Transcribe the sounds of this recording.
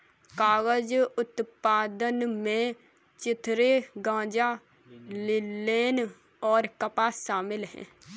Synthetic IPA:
kaːɡəd͡ʒʊt̪paːd̪ənmẽː | t͡ʃɪt̪ʰɾeːɡãːd͡ʒaː | lɪleːn | ɔːɾkəpaːʃaːmɪlɦɛ̰̃ː

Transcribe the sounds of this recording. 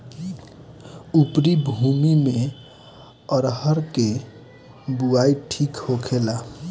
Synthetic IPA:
upɾibʱumimẽ | əɾɦəɾke | buaiʈʰikhokʰela

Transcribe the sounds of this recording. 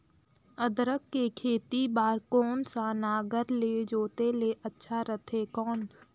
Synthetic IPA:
əd̪ɾəkːekʰeːt̪ibaːɾkɔːnsanaːɡəɾled͡ʒoːt̪eleʔətːʃʰaɾət̪ʰekɔːn

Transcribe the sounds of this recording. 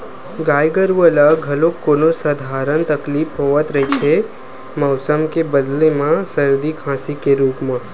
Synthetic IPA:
ɡaːjɡəɾʋəlaɡʱɐlõkoːnosɐd̪ʱaːɾənt̪ɐkliːfɦoːət̪ɾɐɦit̪ʰe | mɐʊsəmkebɐd̪lemãsɐɾd̪ikʰãːsikeɾuːpmã

